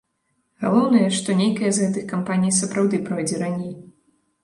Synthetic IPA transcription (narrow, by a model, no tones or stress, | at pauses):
ɣalˠɔwnɐjɐʂt̪ɔnʲejkɐjɐzɣɛt̪ɨxkampanʲijsɐpɾawd̪ɨpɾɔjd͡zʲɛɾanʲej